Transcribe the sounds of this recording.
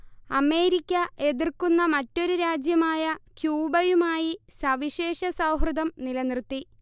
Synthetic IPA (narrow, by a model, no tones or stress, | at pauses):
ɐme̞ːɾikʲːɐe̞ðirkunːɐmɐtːo̞ɾuɾaːd͡ʑjɐmaːjɐkjuːbɐjumaːjisɐʋiɕeːʂɐsɐwɦrɨd̪ɐmnilɐnrt̪ːi